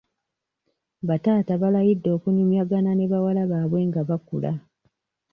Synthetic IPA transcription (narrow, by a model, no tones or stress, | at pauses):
βataːtaβalajidːo̞ːkunimjaɡanane̞βawalaβaβwe̞ŋɡaβakṵla̰